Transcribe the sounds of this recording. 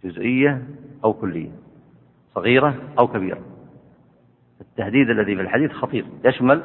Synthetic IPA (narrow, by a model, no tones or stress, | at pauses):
d͡ʒʊzʔɪjːaʔawkʊlːɪ̰jːa̰ | sˤɑɣiːɾaʔawkabḭːɾa̰ | ɪt̪ːahd̪iːd̪ʔalːaðifilħad̪iːθxɑt̪ˤiːɾjaʃmal